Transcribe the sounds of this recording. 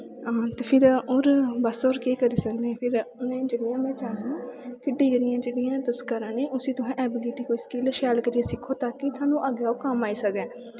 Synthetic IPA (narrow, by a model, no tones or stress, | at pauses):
at̪eːpʰɪɾoːɾbəsoːɾkeːkəɾiːsəkd̪eɛ̃ːpʰɪɾʊnẽːd͡ʒeːɽɪjãːmɛ̃ːt͡ʃaːɦãkɪɖiːɡəɾɪjãːd͡ʒeːɽijãːt̪ʊskəɾəːneːʔʊsĩːt̪ʊɦɛ̃ːʔɛːbɪliːʈiːkoskɪlʃɛːlkəɾiãsɪkʰːoːt̪akːit̪ʰaːnũːʔəɡeaːokəmaːiːsək̪ɛ̃ː